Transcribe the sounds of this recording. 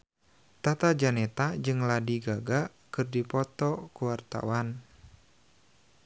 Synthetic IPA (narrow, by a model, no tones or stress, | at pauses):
t̪at̪ad͡ʒanɛt̪ad͡ʒɨŋladiɡaɡa | kɨrdipɔt̪ɔkuwart̪a̰wan